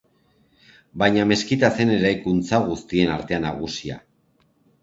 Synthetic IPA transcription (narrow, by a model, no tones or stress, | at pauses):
bajɲame̞skit̪ase̞ne̞ɾajkunt͡saɣ̞ust̪ie̞naɾt̪e̞ana̰ɣ̞usia̰